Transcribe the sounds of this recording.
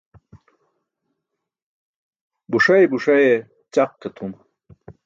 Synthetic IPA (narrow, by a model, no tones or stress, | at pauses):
buʂɐjbuʂɐje | t͡ɕaqːet̪ʰun